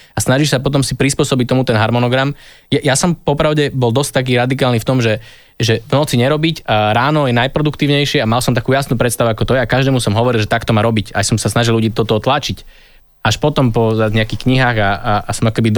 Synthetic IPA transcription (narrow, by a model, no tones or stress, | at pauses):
asnaʒiʃsap̬ɔt̪̬ɔmsipɾispʊɔsɔbic̚t̪ɔmut̪ɛnɦaɾmɔnɔɡɾamjajasɔmpɔpɾaʊɟɛbɔlˠd̪ɔsc̚t̪ak̬iːɾad̪ikaːlniːft̪ɔmʒɛ | ʒɛvnɔt͡siɲɛɾɔbicaɾaːnɔjɛnajpɾɔd̪ukt̪iːʊɲɛjʃɪɛamalsɔmt̪akuːjasnuːpɾɛt̪st̪aʋuakɔt̪ɔjɛakaʒd̪ɛːmusɔmɦɔʋɔɾilʒɛt̪akt̪ɔmaːɾɔbica̰jsɔmsasnaʒilʎuɟiːt̪ɔt̪ɔt̪lat͡ʃic | aʃpɔt̪ɔmpɔzaɲɛakixkɲiɦaːɣaaasɔmakɔkɛbid̪